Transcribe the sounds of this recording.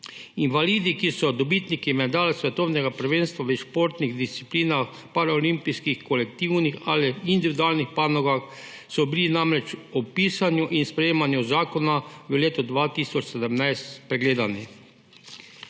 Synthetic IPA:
inʋaliːd̪ikisɔd̪ɔbit̪nikimɛd̪aːlasʋɛt̪ɔwnɛɡapəɾʋeːnst̪ʋaʋəʃpoːɾt̪niɣd̪ist̪sipliːnax | paɾaɔlimpijskixkɔlɛkt̪iwnixaːliind̪iʋid̪uaːlnixpaːnɔɡax | sɔbilinamɾɛt͡ʃɔpiːsanjuʔinspɾɛjeːmanjuzaːkɔnaʋəleːt̪ɔd̪ʋaːt̪isɔt͡ʃsɛd̪əmnajst̪pɾɛɡleːd̪ani

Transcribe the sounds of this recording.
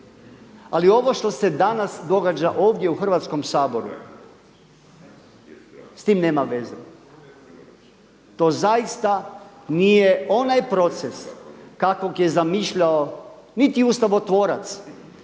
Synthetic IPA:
a̰lio̞ʋo̞ʃt̪o̞se̞d̪anasd̪o̞ɡad͡ʒaʔo̞ːʋd̪jeuxr̩ʋat̪sko̞msaːbo̞ɾṵ | st̪iːmneːmaʋe̞zḛ | t̪o̞ːzajist̪a | nijeo̞najpɾo̞t̪seskakokje̞zamiːʃʎaonit̪iust̪aʋo̞t̪ʋo̞ːɾat̪s

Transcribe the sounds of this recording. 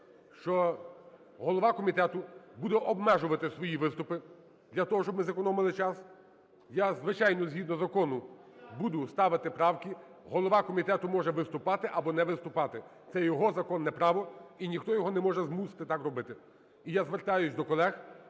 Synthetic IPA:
ʃt͡ʃɔ | ɦɔlˠɔʋɑkɔmʲit̪ɛt̪ʊbud̪ɛʔɔbmɛʒʊʋɐt̪ɪsʋɔjiʋɪst̪ʊpɪ | d̪lʲɐt̪ɔɦɔʃt͡ʃɔbmɪzɐkɔnɔmɪlˠɪt͡ʃɑs | jazʋɪt͡ʃɑjnɔzʲɦʲid̪nɔzɐkɔnʊ | bud̪ʊst̪ɑʋɪt̪ɪpɾɑwkʲi | ɦɔlˠɔʋɑkɔmʲit̪ɛt̪ʊmɔʒɛʋɪst̪ʊpɑt̪ɪʔɐbɔnɛʋɪst̪ʊpɑt̪ɪt̪sɛjɔɦɔzɐkɔnːɛpɾɑʋɔinʲixt̪ɔjɔɦɔnɛmɔʒɛzmusɪ̥t̪ɪt̪ɑkrɔbɪt̪ɪ | ijazʋert̪ɑjʊsʲd̪ɔkɔlˠɛx

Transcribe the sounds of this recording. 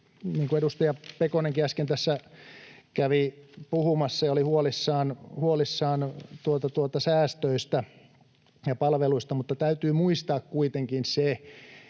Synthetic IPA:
niːŋkueɾust̪ɑjɑpekoneŋkiæskent̪æsːæ | kæʋipuhumɑsːɑjɑolihuolisːɑːnhuolisːɑːnt̪uot̪ɑt̪uot̪ɑsæːst̪øist̪æ | jɑpɑlʋeluist̪ɑmut̪ːɑt̪æyt̪yːmuist̪ɑːkkuit̪eŋkinse

